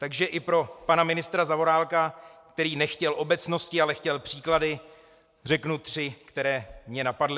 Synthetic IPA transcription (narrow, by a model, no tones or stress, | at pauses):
t̪aɡʒɛʔɪpɾo̞panamɪnɪst̪ɾazavo̞ɾaːlkakt̪ɛɾiːnɛxcɛlʔo̞bɛt͡sno̞scɪalɛxcɛlpr̝̥iːkladɪ | r̝ɛknut̪r̝̥ɪkt̪ɛɾɛːmɲɛnapadlɪ